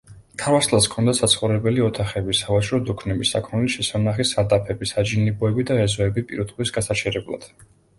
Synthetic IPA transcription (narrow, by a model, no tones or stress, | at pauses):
t̪ʰaɾvaslˠaskʰɔnd̪asat̪sʰχɔɾɛbɛliɔt̪ʰaχɛbisavat͡ʃʰʼɾɔd̪ukʰnɛbisa̰kʰɔnɛliʃɛsanaχisad̪ʼapʰɛbisad͡ʒinibɔɛbid̪aɛzɔɛbipʼiɾɔt̪χwisɡasat͡ʃʰɛɾɛblˠa̰d̪̥